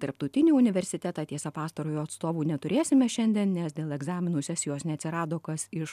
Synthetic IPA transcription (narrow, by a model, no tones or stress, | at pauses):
t̪ɐɾp̚t̪ɐʊt̪ʲɪnʲiːʊnʲɪʋʲɛɾʲsʲɪt̪ʲæt̪ɑt̪ʲiɛsɐpɑːst̪ɐɾoːjuːɐt̪st̪oːʋuːnʲɛt̪ʊɾʲeːsʲɪmʲɛʃʲɛnʲd̪ʲɛːnnʲɛsd̪ʲeːlˠɛɡzɑːmʲɪnuːsʲɛsʲɪjoːsnʲɛɐt̪sʲɪɾɑːd̪oːkɐsɪʃ